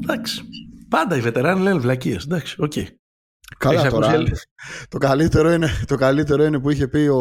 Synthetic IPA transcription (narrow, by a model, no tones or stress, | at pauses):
d̪ɐksi̥pɐnd̪ɐive̞t̪e̞ɾɐnilenvlɐciesðɐksi̥o̞cḛi | kɐlɐstsɐoɾɐet̪o̞kɐlit̪e̞ɾo̞ine̞t̪o̞kɐlit̪̬e̞ɾo̞ine̞puiçe̞pio̞